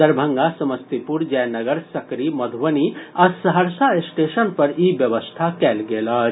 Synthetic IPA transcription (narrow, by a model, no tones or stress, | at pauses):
d̪ɐɾbʱə̃ŋɡasɐməst̪ipuɾd͡ʒɛjnɐɡəɾsɐkɾimɐd̪ʱʋəniɐsɐɦəɾsaɪsʈeːʃənpɐɾiːbjɐʋəst̪ʰakɛːlɡeːlɐ